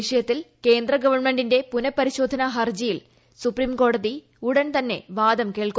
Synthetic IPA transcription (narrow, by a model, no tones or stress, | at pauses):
iʂɐjɐt̪ːilke̞ːnd̪rɐɡɐʋɐrɳme̞ɳɖinde̞punɐpːɐɾiɕo̞ːd̪ʱɐnɐɦɐrd͡ʑijil | supriːmko̞ːɽɐði | uɽɐnt̪ɐnːe̞̰ʋaːd̪ɐmke̞ːɭku